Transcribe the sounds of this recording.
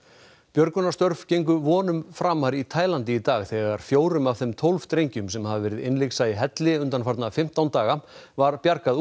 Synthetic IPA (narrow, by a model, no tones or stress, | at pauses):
pjœɾkʏnast̪œɾv̥cejŋk̬ʏvɔːnʏmfɾamaɾit̪ʰaːjlant̪ɪit̪aːɣθɛɣaɾ̥fjoːwɾʏmavθɛmt̪ʰowlv̥t̪ɾejɲcʏmsɛmhɦaðvɛːɾɪðɪnlejksaiɦɛt̪lɪʏnt̪anfaɾt̪nafɪm̥t̪awnt̪aːɣavaɾpjaɾkað